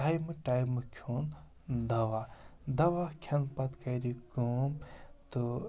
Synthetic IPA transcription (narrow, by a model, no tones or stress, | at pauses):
ajmɨʈaːjmɨkʲʰoːn | d̪ɐʋad̪ɐʋakʰɐnpɐt̪kɐɾiɡumt̪u